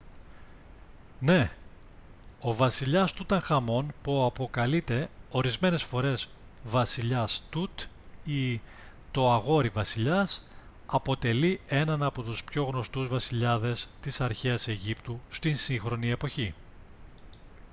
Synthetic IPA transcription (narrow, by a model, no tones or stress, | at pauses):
ne̞ | o̞vɐsiʎɐst̪ut̪ɐŋxɐmo̞npuɐpo̞kɐlit̪e̞o̞ɾizme̞ne̞sfo̞ɾe̞z | vɐsiʎɐst̪ut̪ | i | t̪o̞ɐɣo̞ɾivɐsiʎɐs | ɐpo̞t̪e̞lie̞nɐnɐpo̞t̪uspço̞ɣno̞st̪uzvɐsiʎɐðe̞st̪isɐɾçeɐse̞ʝipt̪ust̪insiŋxɾo̞nie̞po̞çi